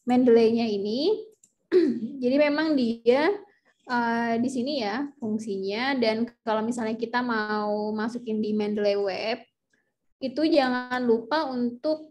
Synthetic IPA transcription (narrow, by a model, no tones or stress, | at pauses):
mɛndleɲaini | d͡ʒadimemaŋdia | ədisinijafuŋsiɲadankkalomisalɲakit̪amaumasukɪndimɛndəlewɛp̚ | it̪ud͡ʒaŋanlupaunt̪ʊk̚